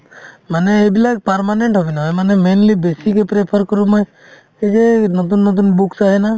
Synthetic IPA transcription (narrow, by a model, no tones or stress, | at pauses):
maneːbilak̚paɾmaneɳʈɦɔbinaɔjmanemenlibesikepɾepʰəɾkɔɾumɔj | ed͡ʒenɔt̪unːɔt̪̬unbuksaɦena